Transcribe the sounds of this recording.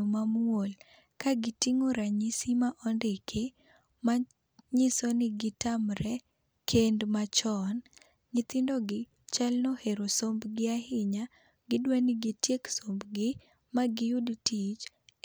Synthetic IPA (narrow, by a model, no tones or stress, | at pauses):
omamwol | kaɡɪtiŋoɾaɲisimaʔɔndɪkʰe | ma | ɲɪsɔnɪɡɪtamɾɛ | kʰendmat͡ʃɔn | ɡɪt̪ɪndoɡɪ | t͡ʃalnɔheɾosombɡɪahɪɲa | ɡɪdwanɪɡɪtjeksombɡɪ | maɡɪjʊdtit͡ʃ